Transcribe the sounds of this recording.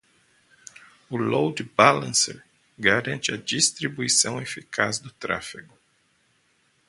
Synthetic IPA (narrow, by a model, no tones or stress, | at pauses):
ʊlowd̪balɐ̰̃sḛɾ | ɡaɾɐ̃nt͡ʃɪɐd͡ʒist̪ɾibuisɐ̃w̃efikʰazd̪ʊt̪ɾa̰fiɡʊ